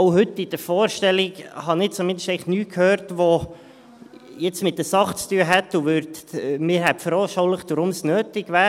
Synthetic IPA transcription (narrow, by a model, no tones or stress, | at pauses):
oʊɦʏtːid̥̪əɾfɔːɾʃtɛliɡhɑnɪt͡somɪnd̪əʃtɛɪχnyːkʰhøːɾtʋo | jɛt͡smɪt̚dəsɑχt͡st̪yəɦɛt̪ːuʋøɾt̪mɪːɾɦɛpfəɾɔʃɔʊləχd̥̪ʊɾʊmsnøːtɪɡvæːɾ